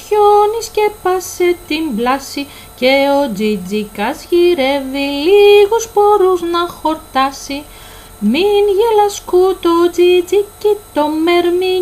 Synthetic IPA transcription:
çoniscepɐset̪imblɐsi | ce̞o̞d͡zid͡zikɐzʝiɾe̞viliɣuspo̞ɾuznɐxo̞ɾt̪ɐsi | minʝelɐskut̪od͡zid͡zicit̪omeɾmi

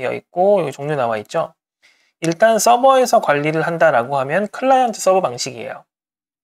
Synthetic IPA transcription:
ʌ̰ḭt̚k͈ojɡt͡ɕoŋɲonawait̚t͡ɕ͈o | iɭt͈ans͈ʌbʌe̞sʰʌkwaʎːiɾɯɭɦandaɾaɡoɦamjʌnkʰɯɭːanantʰɯ̥s͈ʌbʌpaŋɕʰiɡiḛjo̰

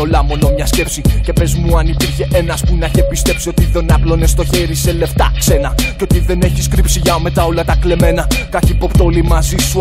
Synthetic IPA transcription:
olɐmo̞no̞mɲɐsce̞psice̞pe̞zmuɐnipiɾçe̞ʔe̞nɐspunɐçepist̪e̞psio̞t̪iðe̞nɐplo̞ne̞st̪o̞çe̞ɾise̞le̞ft̪ɐ̰kse̞nɐceo̞t̪iðe̞ne̞çiskɾipsiʝɐme̞t̪ɐo̞lɐt̪ɐkle̞me̞nɐkɐçipo̞pt̪olimɐzisu

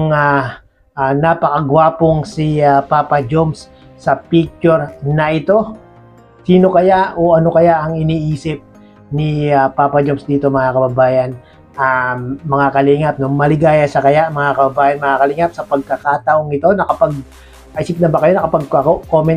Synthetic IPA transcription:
ŋa | ʔanapɐkɐɡwaːpoŋsiapaːpɐd͡ʒoms | sɐpik̚t͡ʃʊɾnɐʔɪt̪o̞ | siːno̞kɐjaʔoʔɐno̞kɐjaʔɐŋɪniːʔiːsɪp̚ | nɪapaːpɐd͡ʒomsd̪iːt̪o̞mɐŋakɐbɐbaːjɐn | ʔamɐŋakɐliŋɐp̚nomɐlɪɡaːjɐsɐkɐjaʔmɐŋakɐbɐbaːjɐnmɐŋakɐliŋɐp̚sɐpɐɡ̚kɐkaːt̪ɐʔoŋɪt̪o̞nɐkɐpaɡ̚ | ʔiːsɪp̚nɐbɐkɐjo̞nɐkɐpɐɡ̚kɐkokomɛn

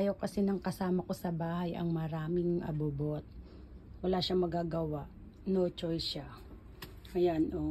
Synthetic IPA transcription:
jowkɐsɛnɐŋkɐsaːmɐko̞sɐbaːhɐjʔɐ̰ŋmɐɾaːmɪŋɐ̰bubot̪̚ | wɐlaːʃamɐɡaɡɐwaʔ | not͡ʃojʃa | ɐjanʔo

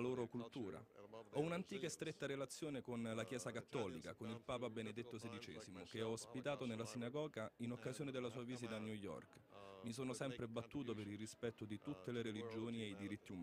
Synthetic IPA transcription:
loːɾokult̪uːɾa̰ɔunant̪iːkaest̪ɾet̪ːaɾelat̪sːjoːnekonlakjɛːsakat̪ːɔːlḭka̰konilpaːpabened̪et̪ːosed̪it͡ʃɛːzimokeɔːspit̪aːt̪onelːasinaɡɔːɡainokːazjoːned̪elːasuːaviːzit̪aːnjujːɔ̰rkmis̬oːnosɛmpɾebat̪ːuːt̪̬opeɾilrispɛt̪ːod̪it̪ut̪ːeleɾelid͡ʒoːniejd̪iɾit̪ːiuma

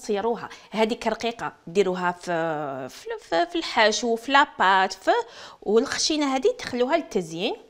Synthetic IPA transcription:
sˤiɾˤuɦæhæd̪ikərˤɑqiqɑd̪iɾuɦæf | fffilħaʃufilæpat̪fəwəlxæ̥ʃinaɦæd̪it̪ːxlːuɦælt̪ːæzjin

